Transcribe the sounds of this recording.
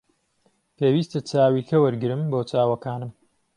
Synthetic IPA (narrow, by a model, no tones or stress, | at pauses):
peːwiːst̪ɐt͡sʰaːwiːkɐwɐɾɡɨɾɨmboːt͡sʰaːwɐkaːnɨm